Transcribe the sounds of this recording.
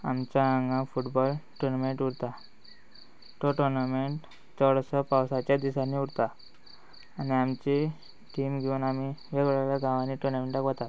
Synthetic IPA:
a̰mt͡ɕaaŋɡãfuʈbɔlʈunmeɳʈuɽt̪a | ʈɔʈuɾnameɳʈ | t͡sɔɽsɔpawsat͡ɕjad̪isaniuɽt̪aː | niamt͡ɕi | ʈimɡiunamiʋeɡɭalaɡʱãʋaniʈuɾnameɳʈakʋət̪at̪

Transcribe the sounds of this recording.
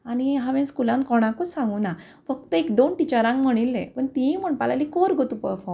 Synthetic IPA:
añiɦãʋɛ̃nskulãnkɔɽ̃ãkɔsãŋɡuna | fək̚t̪əekd̪onʈit͡ɕaɾãŋkm̤əɽ̃ilːɛ̃pəɳt̪ĩm̤əɳpalalikɔɾɡʱɔt̪upəɾfɔm

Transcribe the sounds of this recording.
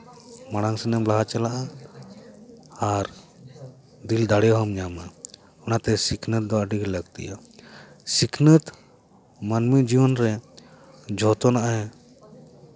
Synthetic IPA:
maɽ̃aŋsɛnɛmblaɦat͡ʃalaʔa | ɾ | d̪ild̪aɽɛɦɔmɲama | ɔnat̪ɛsikʰnət̪̚d̪ɔwaɖiɡɾɛləɡt̪ḭja | sikʰnət̪ | manmid͡ʒiwɔnɾɛ | d͡ʒʱɔt̪ɔnaʔaɦɛ

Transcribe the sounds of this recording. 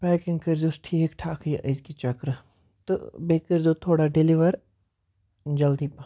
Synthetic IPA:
pɛːkɪ̃ŋɡkəɾd͡ʒosʈʰikʈʰaːkʰiɪzkit͡ʃɐkɾ | t̪ɨbeːkəɾzoːt̪ʰoːɽaɖɪliʋəɾ | d͡ʒɐld̪iːp

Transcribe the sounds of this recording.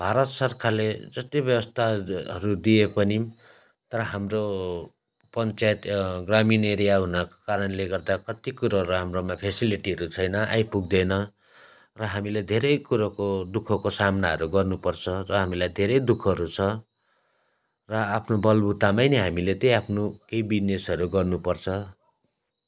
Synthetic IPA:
bʱaɾʌt̪sʌrkʰaled͡zʌst̪ibjʌbʌst̪ʰaɦʌ̰ɾud̪iepʌni | t̪ʌɾʌɦamro | pʌnt͡sajet̪ɡramineɾijaɦunakkaɾʌnleɡʌrd̪akʌt̪ikuɾʌɦʌɾuɦamromapʰesiliʈiɦʌɾut͡sʰʌjnʌʔa̰jpuɡ̚d̪enʌ | rʌɦamiled̪ʱeɾʌjkuɾakod̪ukʰːʌkosamnaɦʌ̰ɾuɡʌrnupʌrt͡sʰʌrʌɦamilajd̪ʱeɾʌjd̪ukʰʌɾut͡sʰʌ | rʌapʰnobʌlbut̪amajnʌɦamilet̪ʌapʰnokejbinesʌɾuɡʌrnupʌrt͡sʰʌ

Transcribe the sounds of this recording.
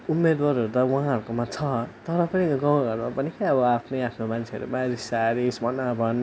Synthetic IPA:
umːed̪waɾɦʌɾut̪awuɦãɦʌɾukomat͡sʰʌt̪ʌɾʌpʌniɡaw̃ɡʱʌɾumapʌnikeʌβʌapʰnʌjapʰnomant͡sʰeʌ̰ɾṵmaɾisaɾismʌnabʱʌn

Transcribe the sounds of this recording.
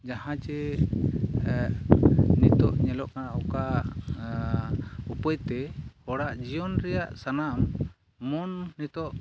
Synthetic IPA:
d͡ʒahãt͡ʃɛ | nit̪ɔʔɲɛlɔʔkanaɔka | upɔjt̪ɛhɔɽaʔd͡ʒijɔnɾɛjaʔsanamː | ɔnːit̪ɔʔ

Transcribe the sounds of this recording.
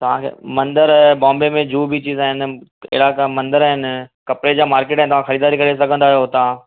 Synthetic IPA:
t̪ɐʋ̤ãkʰḛːmɐ̃nd̪əɾbɔ̃ːmbemẽd͡ʑuːbʱit͡ɕiːzaːɦɪnɪ̆ɪ̰ɪɽakmɐ̃nd̪əɾaːɦɪnɪ̆kɐpɾed͡ʑaːmaːɾkeːʈaɦɪnt̪ɐʋãxɐɾiːd̪aːɾikɐɽes̬ɐɡʱə̃nd̪aːɦijot̪ɐʋ̤ã

